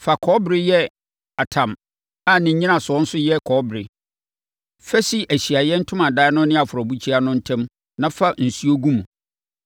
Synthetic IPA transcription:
fa˨kʰɔ˦bɪ˨ɾɪ˦jɛ˦ | a˨tʰã˨m | a˦nɪ̃˨˦ɲĩ˦nã˨sʊ˨ɔ˦n̩˦sʊ˦jɛ˦kʰɔː˨˦bɪɾɪ̰˨ | fɛ˦si˦ʔæ˨ɕi˨a˨jɛ˦n̩˦tʰʊ̃˦mã˨daː˦nʊ̃˦nɪ̃˦a˨fʊ˨ɾɔ˨bu˦t͡ɕʰi˦a˦nʊ̃˦n̩˦tʰɛ̃˦m | nã˦fa˦n̩˨su˦o˦ɡũ˦mũ˨

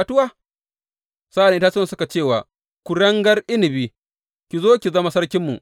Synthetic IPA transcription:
a˨tʊ˦waː˦˨ | sa˦ʔa˨n˨˦a˦t͡ʃɪ˦ɐ˨sʊ˦ka˨t͡ʃeː˦˨waː˨ | kʷu˨ɽɐ˦ŋɡɐ˦rʔɪ˦nɪ˨biː˦ | kʲi˨zoː˦kʲi˨zɐ˦ma˦sɐ˦rkʲɪ˦mːṵ˨

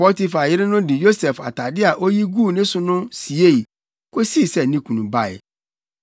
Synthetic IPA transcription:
pɔ˦ti˦fa˨jɪ˦ɾɪ̃˦nʊ̃˦di˨jo˦sɛ˨fa̰˨ta˨dɪ˦a˨ʔo˦ji˦ɡuː˦˨nɪ̃˦sʊ̃˦nʊ̃˦si˨e˦˨i˨ | ko˦si˦˨sɛ˨nĩ˦kũ˨nũ˨ba˦˨ɛ̰˨

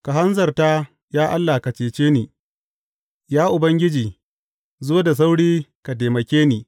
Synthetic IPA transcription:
ka˨ɦa˦nzɐ˨rta˦ | jaː˦ʔa˦lːa˨ka˨t͡ʃeː˨t͡ʃeː˦niː˨ | jaː˦ʔʊ˨bɐ˦ŋɡʲɪ˦d͡ʒiː˨ | zoː˦da˨s̬a˦wɽiː˦ka˨ta˨mɐ˨kʲeː˦niː˨

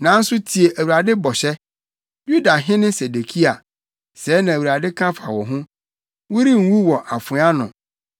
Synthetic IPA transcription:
nã˨˦n̩˦sʊ˦tʰi˨e˨ʔæ˨wu˨ɾa˨dɪ˦bɔ˨ɕɛ˦ | ju˦da˨ɦɪ̃˦nɪ̃˦se˨de˨kʰi˦a˨ | sɛː˨˦nã˨wu˨ɾa˨dɪ˦kʰã˦fa˨wɔ˨ɦʊ̃˦ | wʊ˦ɾi˦ŋ̩˨wu˦wɔ˨ʔa˨fʊ̃˨˦a˦nʊ̃˨

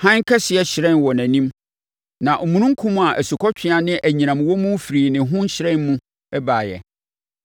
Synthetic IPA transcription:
hã˦ŋ˦kʰɛ˦ɕɪ˨˦ɛ˦ɕɪ˨ɾɛ̃˦n˨wɔ˨næ̃˨nĩ˦m | nã˨ʔo˨mũ˨nũ˦ŋ̩˦kʰũ˦mũ˦a˨ʔæ˨su˨kʰɔ˦t͡ɕᶣʰɪ̃˦a˨nɪ̃˦ʔæ˨ɲĩ˨nã˨m˨wɔ˦mũ˦fi˨ɾiː˨nɪ̃˨ɦʊ̃˦n˦ɕɪ˨ɾɛ̃˦˨nmũ˦ | ɛ˦baː˨jɛ̰˨

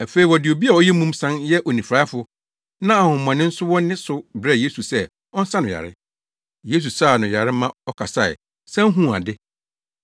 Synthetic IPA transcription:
æ˨fe˨i˨wɔ˨dɪ˨o˨bi˦a˨ɔ˦jɛ˦mũ˦msã˦njɛ˦ʔɔ˨nĩ˨fɾaː˨˦fʊ˦ | nã˦a˨hʊ̃˨mmːã˨nɪ̃˦n̩˦sʊ˦wɔ̃˦n˦nɪ̃˦sʊ˦bɾɛ˦˨je˦su˨sɛ˦ | ɔ˦n̩˦sã˦nʊ̃˨ja̰˨ɾɪ̰˦ | je˦s̬u˨saː˦˨nʊ̃˨ja˨ɾɪ˦mã˦ɔ˦kʰa˨sa˦ɪ̰˨ | sã˦ŋ̩˦ɦũ˦˨a̰˨dɪ˦

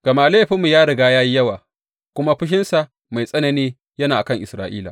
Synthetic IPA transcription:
ɡ̥ɐ˨maː˦leː˦ɸɪ˦mːu˨jaː˦ɽɪ˨ɡaː˦jaː˦ji˦jɐ˦waː˨ | kʷʊ˦ma˦ɸɪ˦ʃ̬ɪ˦nsa˨ | ma˨jsʼɐ˦nɐ˨niː˦ | jɐ˦naː˨ʔa˨kɐ˦ŋʔɪ˨sɾaː˨ʔiː˦la̰˨

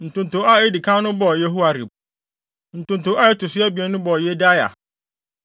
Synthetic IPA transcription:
n̩˨tʊ̃˨ntʊ̃˨˦a˦e˦di˨kʰã˦nʊ̃˦bɔ˨jɛ˦ɦu˦a˨ɾi˨b̚ | n̩˨tʊ̃˨n˨tʊ̃˨˦a˦ɛ˦tʰʊ˨sɪ˦ɛ˦bi˨ɛ˨˦nʊ̃˦bɔ˨jɛ˦da˦ja̰˨

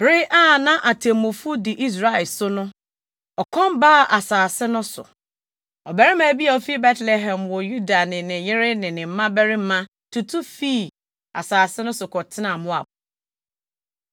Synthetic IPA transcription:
bɾɪ˦ʔa˦˨nã˦ʔa˨tʰẽ˨mʊ̃˨fu˦dɪ˨ʔi˦s̬ɾa˦ɪ˨sʊ˦nʊ̃˦ | ɔ˨kʰɔ̃˦mbaː˦˨ʔa˨saː˨sɪ˦nʊ̃˦sʊ̰˨ | ɔ˨bɛ˨ɾɪ˦mã˨bi˦a˨ɔ˨fi˦bɛ˦tlɛ˨ɦɛ̃˨mwɔ˨ju˦da˨nɪ̃˨nɪ̃˨jɪ˦ɾɪ˦nɪ̃˨nɪ̃˨m̩˦mã˦bɛ˦ɾɪ˦m̩˦mã˦ | tʰu˨tʰu˦fi˦ | a̰˨saː˨sɪ˦nʊ̃˦sʊ˨kʰɔ˨tʰɪ˦nã˨mʊ̃˦a̰˨bʊ˨

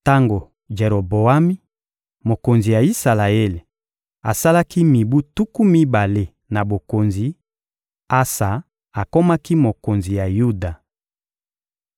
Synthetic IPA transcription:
ta˦ŋɡo˨ | ʒe˨ɾo˨bo˨a˦mi˦ | mo˨ko˨nzi˨ja˨i˦sa˨la˨e˦le˨ | a˨sa˦la˦ki˦mi˨bu˦tu˦ku˦mi˦ba˨le˦ | na˨bo˨ko˨nzi˨ | a˦sa˨ | a˨ko˦ma˦ki˦mo˨ko˨nzi˨ja˨ju˦da˨

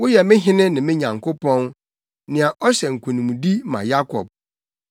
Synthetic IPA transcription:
wʊ˦jɛ˨mɪ̃˦ɦɪ̃˦nɪ̃˦nɪ̃˨mɪ̃˦ɲã˨ŋkʰʊ˦pɔ̃˦n | nɪ̃˨a˨ʔɔ˦ɕɛ˨ŋ̩˨kʷʰũ˨nĩ˨mũ˨di˦mã̰˨ja˦kʰɔ̰˨b̚

